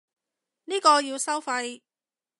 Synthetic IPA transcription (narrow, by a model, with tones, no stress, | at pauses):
niː˥kɔː˧jiː˧wsɐ˥wfɐ˧j